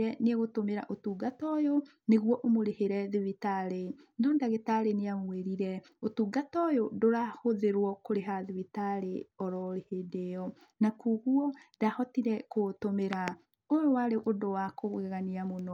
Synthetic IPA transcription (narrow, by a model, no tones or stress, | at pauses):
ɾɛneɣotomeɾa̰ʔotuːɡatɔjo | neɣuɔʔomoɾeheɾɛðiβitaɾenɔːndaɣetaɾeneamweɾiɾɛ | otuɡatɔjodoɾahoðeɾwɔkoɾeɦaðiβitaɾeɔɾɔɾehedejɔ | nakuɣuɔdahɔtiɾɛkotomeɾa | ojowaɾeʔodowakoɣɣɛɣaniamonɔ